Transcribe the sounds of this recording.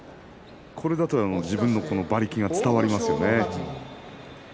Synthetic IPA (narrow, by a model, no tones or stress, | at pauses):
kʰo̞ɾe̞d̪at̪oano̞d͡ʑibɯ̟̃nːo̞ko̞no̞baɾʲikʲiɡat͡sɨ̥t̪aβaɾʲimasɨjo̞ne̞